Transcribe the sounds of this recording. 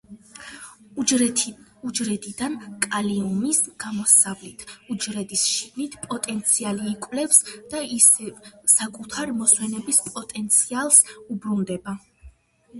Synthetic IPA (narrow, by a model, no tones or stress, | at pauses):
ud͡ʒɾɛd̪id̪ankʼaliɔmisɡ̥amɔsavlit̪ʰud͡ʒɾɛd̪isʃiɡnit̪ʰpʼɔt̪ʼɛnt̪sʰialiːkʼwvlɛpsd̪̥aisɛsakʼut̪ʰaɾmɔswɛnɛbispʼɔt̪ʼɛnt̪sʰialˠsubɾund̪ɛba